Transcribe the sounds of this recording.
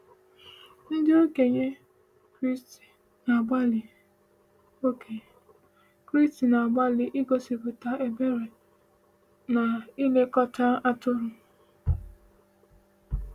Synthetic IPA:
n̩˦dɪ˦o˦ke˨ɲe˦ | kɾi˦sti̥˨ | na˨ɡ͡ba˦lɪ˨ | o˦kʰe˨ | kɾi˦sti˨na˨a˨ɡ͡ba˦lɪ˨ʔɪ˦ɡo˨si˨pʊ˨ta˨e˨be˦ɾe˨ | na˨i˦le˦kɔ˦ta˦a˦tʊ˦ɾʊ˨

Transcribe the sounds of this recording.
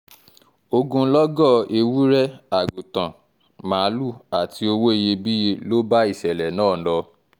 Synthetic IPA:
o˧ɡũ˧˦lɔ˦ɡɔ˦˨e˧wu˦ɾɛ˦a˨ɡu˨tã˨ | mã˨˦lu˦˨a˨ti˧o˧wo˦e˧je˧bi˦e˧lo˦ba˦i˦˨sɛ˨lɛ˨nãː˦˨˦lɔ˧

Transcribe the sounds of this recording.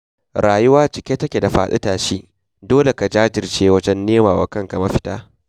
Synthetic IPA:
ɾaː˨jʊ˦waː˦t͡ʃɪ˨kʲe˦tɐ˦kʲe˨da˨ɸa̰ː˨sɪ̰˦taː˨ʃi˦ | doː˦le˨ka˨d͡ʒaː˦d͡ʒɪ˨rt͡ʃeː˦wɐ˦d͡ʒɛ˦nːeː˦maː˨wa̰ː˨˦kɐ˦ŋka˨mɐ˦ɸɪ̥˦taː˦

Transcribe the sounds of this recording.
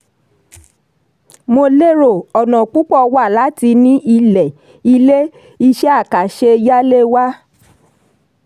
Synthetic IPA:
mo˧le˦ɾo˨ɔ˨nɔ̃˨k͡pu˦k͡pɔ˦˨wa˦˨la˨˦ti˧nĩ˦ʔi˧lɛ˨ | i˧le˦ | i˧ʃɛ˦a˦˨ka˨ʃe˧ja˦le˦wa˦

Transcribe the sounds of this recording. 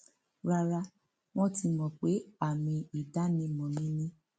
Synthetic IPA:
ɾa˧ɾa˧ | w̃ɔ̃˦ti˧mɔ̃˨k͡pe˨˦a˦˨mĩ˧i˨da˨˦nĩ˧mɔ̃˨nĩ˦nĩ˦

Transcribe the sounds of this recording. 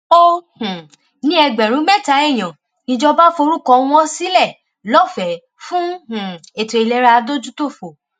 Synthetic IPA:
o˦h̩˨ | nĩ˦ɛ˧ɡ͡bɛ˨ɾ̃ũ˨˦mɛ˦˨ta˨˦ɛ˦˨j̃ɔ̃˨ | nĩ˧d͡ʒɔ˧ba˦fo˧ɾu˦kɔ̃˧w̃ɔ̃˦si˦lɛ˦˨ | lɔ˦fɛ˨˦ | fũ˦h̩˨e˨to˨e˧˨lɛ˧ɾa˧do˦d͡ʒu˦to˦˨fo˨

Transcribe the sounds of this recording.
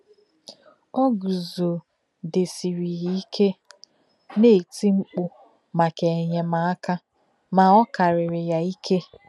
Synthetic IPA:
ɔ˦ɡu˨zo˨ | de˨si˨ɾi˨ji˦i˦kʰe˦ | ne˦˨ti˦ŋ͡m̩˦k͡pʊ˦ | ma˨ke˨ɲe˨ma˨a˦ka˦ | ma˨ɔ˦ka˨ɾɪ˨ɾɪ˨ja˨i˦kʰe˦

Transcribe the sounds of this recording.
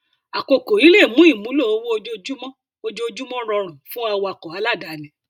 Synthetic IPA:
a˨ko˨ko˨i˨˦le˦˨mũ˨˦i˦˨mũ˨˦lo˦˨o˧˦wo˦o˧d͡ʒo˦˧d͡ʒu˦mɔ̃˦ | o˧d͡ʒo˦o˧d͡ʒu˦mɔ̃˦ɾɔ̃˧ɾ̃ɔ̃˨fũ˦a˧wa˧˨kɔ˨a˨˧˦la˦˨da˨nɛ̃˨

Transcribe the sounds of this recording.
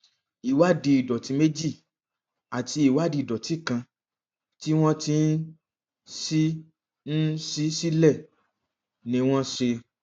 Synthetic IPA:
i˨wa˦˨di˧i˨dɔ˨ti˨˧˦me˦d͡ʒi˦˨ | a˨ti˧˦i˦˨wa˦˨di˧˨dɔ˨ti˨˦kã˧ | ti˦w̃ɔ̃˦ti˧˦n˦ | si˦ | n̩˦si˦si˦lɛ˦˨ | nĩ˧˦w̃ɔ̃˦ʃe˧

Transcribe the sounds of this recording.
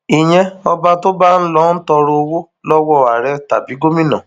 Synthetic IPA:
i˨j̃ɛ̃˧ɔ˧ba˧to˦ba˦n̩˦lɔ˦n̩˦tɔ˧ɾo˧o˧wo˦ | lɔ˦wɔ˦˨a˨ɾɛ˦ta̰˨bi˨˦ɡo˦mĩ˦nɔ̰̃˨

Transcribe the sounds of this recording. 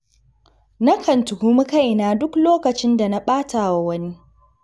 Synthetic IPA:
na˦kʰɐ˨ntʊ˨hu˦mu˦ka˦˨jnaː˦dʊ˦kloː˦kɐ˨t͡ʃɪ˦nda˨na˦ɓaː˦tʰaː˨wa˦wɐ˦ni˦

